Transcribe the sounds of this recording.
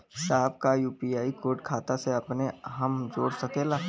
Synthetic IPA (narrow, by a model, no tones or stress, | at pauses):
ɦɪsaːb̚kajuːpiaːikoːɾʈkʰaːt̪aseɐpneɦəmd͡ʒoːɽsɐkeːlaː